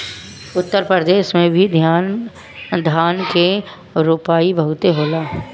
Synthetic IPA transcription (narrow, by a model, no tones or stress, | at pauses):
ʊt̪ːəɾpɾəd̪eːʃmẽbʱid̪ʱjaːn | d̪ʱaːnke | ɾuːpaːibəɦʊt̪eɦoːlaː